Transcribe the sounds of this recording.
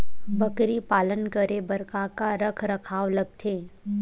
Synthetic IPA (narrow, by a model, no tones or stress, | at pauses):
bəkɾipaːlənkəɾebɐɾkakaɾəkʰɾɐkʰaːʋlɐɡ̚t̪ʰeː